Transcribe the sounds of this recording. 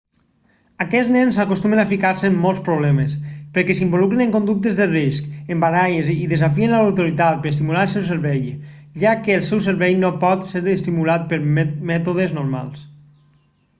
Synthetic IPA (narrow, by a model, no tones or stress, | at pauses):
akɛd͡znɛnzakost̪umenafikaɾseːmːɔlˠspɾoβ̞lɛmespəɾkɛs̬imbolukɾenẽŋkond̪uk̚t̪ezðəriskembaɾajeziðezafienlaawt̪oɾit̪at̪̚pəɾest̪imulaəlˠsɛwseɾβɛj | ʒakəːlˠsɛwseɾβɛjnopɔt̪seɾðest̪imulat̪̚pəɾmɛt̪oðeznoɾma̰lˠs